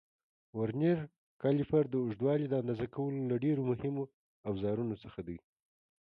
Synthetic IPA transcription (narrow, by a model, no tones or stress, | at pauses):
waɾneɾ | kɑlifaɾd̪əʊʒd̪wɑlid̪əand̪ɑzakawəlolaɖeɾomʊhɪmo | awzɑɾunosəxad̪əj